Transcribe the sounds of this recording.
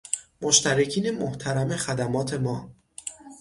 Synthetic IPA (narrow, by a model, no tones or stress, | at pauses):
moʃt̪ʰæɾecʰiːne̞moht̪ʰæɾæme̞xæd̪æmɒːt̪ʰe̞mɒː